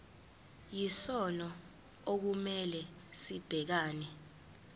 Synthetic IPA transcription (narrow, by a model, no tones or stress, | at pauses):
jisɔnɔ | ok̬umɛlɛ | sib̥ʱɛk̬aːnɛ